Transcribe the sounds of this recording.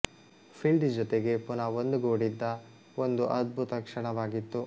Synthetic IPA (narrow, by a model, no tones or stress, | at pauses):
pʰilɖd͡ʒɔt̪eɡe̞punɐʋond̪uɡoːɽid̪ːɐ | ond̪uʔɐd̪̚bʱut̪ɐkʂɐɳɐʋaːɡit̪ːu